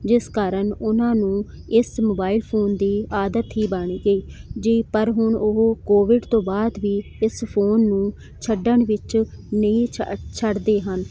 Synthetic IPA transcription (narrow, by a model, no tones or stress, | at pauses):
d͡ʒɪskaːɾəɳʊnãːnũː | ɪsmoːbaːɪlpʰoːnd̪iːaːd̪ət̪ɦiːbəɳiːɡəiːd͡ʒiːpəɾɦʊɳʊɦoːkoːʋɪɖt̪õːbaːd̪ʋiːɪspʰoːnːũː | t͡ʃʰəɖəɳʋɪt͡ʃnəĩːt͡ʃʰəɽd̪eːɦən